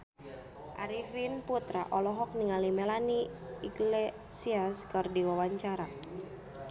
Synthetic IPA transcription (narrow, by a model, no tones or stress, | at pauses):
ʔa̰ɾifinput̪ɾaʔɔlɔɦɔk̚niŋalimɛlaniiɡle | siaskɨrdiwawaɲt͡ʃaɾa